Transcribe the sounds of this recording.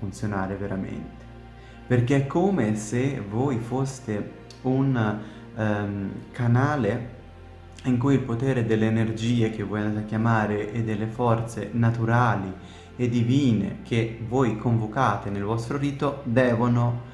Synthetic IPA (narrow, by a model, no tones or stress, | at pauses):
funt̪sjonaːɾeveɾamḛnt̪e̥ | perk̟eɛkʰːomesevoːjfost̪e | un | kanaːle | iŋkujilpot̪ɛːɾed̪elːeːnerd͡ʒiːek̟evːɔːjand̪at̪akːjamaːɾeʔed̪ːelːefɔrt̪sḛnat̪uɾaːli | ed̪iviːnḛk̟evoːjkʰoɱvokaːt̪enelvɔst̪ɾoɾiːt̪od̪ɛːvono